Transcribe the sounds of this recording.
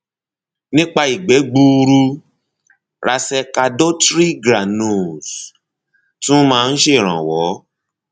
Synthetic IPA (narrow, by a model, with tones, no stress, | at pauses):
nĩ˦k͡pa˧i˨ɡ͡bɛ˨˦ɡ͡bu˧ɾu˧ | ɾa˧sɛ˧ka˧do˦tɾi˦ɡɾa˨no˨z | tũ˦mãː˦˧n̩˦ʃe˦˨ɾ̃ã˨wɔ˨˦